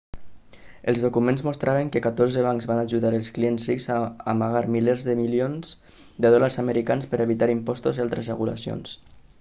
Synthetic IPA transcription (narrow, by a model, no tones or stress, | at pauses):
əlˠzðukumenzmust̪ɾʔaβəŋkəkat̪orzəβ̞aŋkzβanaʒuðaɾəlˠsklienzrikzaːmaɣaɾmilezðəmilionz | d̪əðɔlaɾzaməɾikanspəɾʔəβit̪aɾimpɔst̪uzialˠt̪ɾəzrəɣula̰sio̰ns